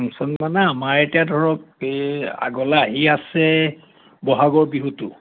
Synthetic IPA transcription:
amsɔnmanaːmaɹetijadʱɔɹɔk | a̰ɡɔlaːɦiasɛ | bɔɦaɡɔɹbiɦutʊ

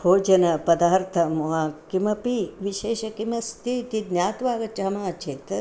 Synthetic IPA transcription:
hʰoːd͡ʒɐnɐpɐd̪aːɾt̪ʰɐmoɦaːkimɐpiʋiʃeːʃɐkimɐst̪it̪id̪njaːt̪ʋaːɡɐt͡ʃɐɦɐmaːt͡ʃʰeːt̪

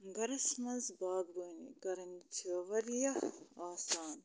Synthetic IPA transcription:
ɡɐɾɐsmɐzbaːb̪ɡuːnḭkɐɾɐnt͡ʃʰiʋɐɾjɐaːsaːn

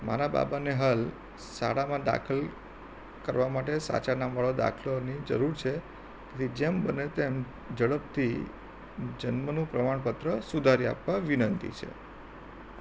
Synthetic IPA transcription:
ma̰ɾaba̰baneɦal | sa̰ɽamãd̪a̰kʰəl | kəɾʋamaʈ̬esa̰t͡ʃanamʋaɭod̪a̰kʰlonid͡ʒə̰ɾuɾt͡ʃʰe | ket̪id͡ʒembənet̪em | d͡ʒəɭəpt̪ʰi | d͡ʒənmənũpɾəmaɳpət̪ɾəsud̪ʱaɾia̰pʋaʋinənt̪ḭt͡ʃʰḛ

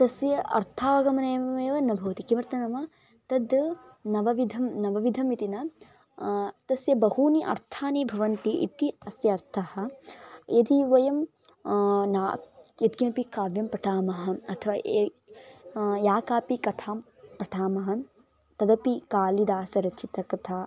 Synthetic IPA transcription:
t̪ɐsjɐʔɐ̰ɾt̪ʰaːʋɐɡɐmɐnɐjɐɐjʋɐnɐbʱɐːt̪ikimɐɾt̪ɐnɐmɐ | t̪ɐd̪ | nɐʋɐʋid̪ʱɐmnɐʋɐʋid̪ʱɐmit̪inɐ | t̪ɐsjɐbɐhuːniʔɐ̰ɾt̪ʰaːneːbʱɐʋɐnt̪iʔḭt̪iɐsjɐɐɾt̪ʰɐhɐ̆jɐd̪iʋɐjɐm | naːjɐd̪̚ɡɐpikaːʋjɐmpɐʈʰaːmɐɦɐɐt̪ʰɐʋaː | jaːkaːpikɐt̪ʰaːm | pɐʈʰaːmɐɦɐ | t̪ɐd̪ɐpikaːlid̪aːsɐɾɐt͡ʃʰit̪ɐkɐt̪ʰaː

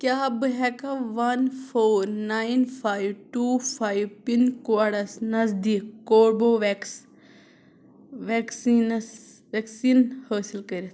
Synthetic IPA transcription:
kʲjaːbɨɦɛkɐʋɐnfʰoːɾnainfʰaːjʋʈuːfʰaːiʋpinkoɽɐsnɐzd̪iːkːoːɾboːʋeks | ʋeksins | ʋeksiːnhəːsilkəɾit̪ʰ

